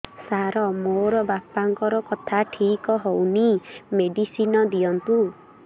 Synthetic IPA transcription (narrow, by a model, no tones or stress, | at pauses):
saɾɔmoɾɔbapaŋkɔɾɔkɔt̪ʰaʈʰikɔɦownimeɖisinɔd̪ijɔnt̪u